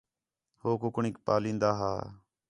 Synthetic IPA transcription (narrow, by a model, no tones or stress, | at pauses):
hoːkʊkɳiːk̚pa̰ːlĩːnd̪aːɦa̰ː